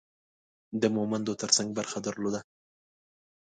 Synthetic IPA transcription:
d̪əmʊmand̪ot̪əɾsaŋɡ̚baɾxad̪əɾlod̪a

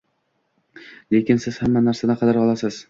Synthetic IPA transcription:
le̞kʲɪnsɪz̥hamːanaɾsanaqʰɑd̪aɾɒlˠasɪz̥

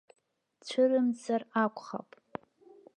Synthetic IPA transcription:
t͡ɕʷʰɨrɨmd͡zarakʷʰʼχa̰pʼ

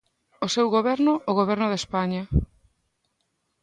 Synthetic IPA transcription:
osewɣoβɛɾnʊoɣoβ̞ɛɾnʊðespaɲa

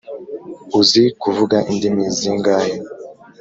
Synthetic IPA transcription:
uzikuvuɡaindimiziŋɡaji

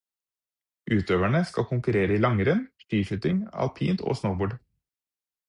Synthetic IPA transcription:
ʔʉːt̪øːʋæɳəskɑkʰʊŋkʉɾeːɾəiːlɑŋəɾənʃt̪yːʃʏt̪ɪŋɑ̰lpʰiːnt̪ʰo̰ːsnəʊboːɖ

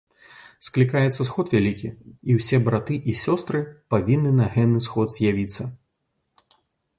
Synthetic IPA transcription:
sklʲikajɛt̪sːɐsxɔt̪vʲalʲikʲiiwsʲɛbɾat̪ɨʔisʲɔst̪ɾɨpavʲinːɨnɐɣɛnɨsxɔd̪z̥ʲjavʲit̪sːɐ

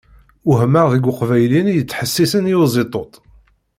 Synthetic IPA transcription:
ʊɦməʁðəɡʷʊqvæjlinjət͡sːħəsːisənjʊzˤet̪ˤot̪ˤ

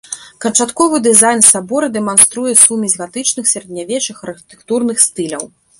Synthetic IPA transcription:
kɐnt͡ʂat̪kɔvɨd̪ɨzajnsabɔɾɨd̪ɛmanst̪ɾujɛsumʲizʲɣat̪ɨt͡ʂnɨxsʲɐɾɐd̪ʲnʲavʲɛt͡ʂɨxɐrxʲi̥t̪ɛ̥kt̪urnɨxst̪ɨlʲɐw

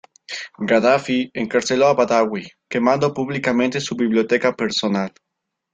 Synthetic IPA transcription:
ɡaðafieŋkaɾseloaβaðawi | kemãnd̪opuβlikamẽnt̪esuβiβljot̪ɛkapeɾsonal

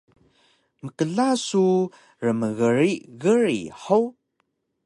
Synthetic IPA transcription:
məkəɮasu | rəməɣəɾiɣəɾḭħəw

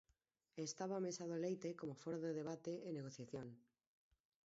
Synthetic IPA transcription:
est̪aβaamesaðolejt̪ekomofoɾaðeðeβ̞at̪eʔeneɣ̞oθjaθjõŋ

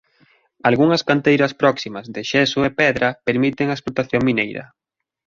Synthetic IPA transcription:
alɣuŋɐskant̪ejɾɐspɾɔksimɐzðɪʃɛsʊepɛðɾɐpeɾmit̪ɪŋɐesplot̪aθjoŋminejɾɐ̰

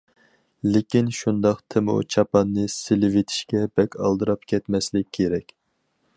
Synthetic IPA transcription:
lɪkʲinʃund̪ɑqt̪ʰɪmṵt͡ʃʰɑpɑnːɨsɪlɪvet̪ʰi̥ʃkʲɛbɛkʲɑ̰lˠd̪ɨɾɑpkʲʰɛt̪mɛslɪkʲʰːeɾɛkʲ

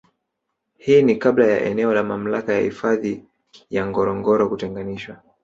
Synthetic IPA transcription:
hiːnikablaja̰ʔɛ̰nɛɔlamam̩lakaja̰hifaði | jaŋɡɔɾɔŋɡɔɾɔkutɛŋɡaniʃwa

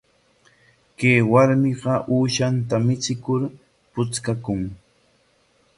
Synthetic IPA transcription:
kejwaɾmɪɢɑʔuːʃant̪amɪt͡sɪkʊɾ | pʊt͡skakʊŋ

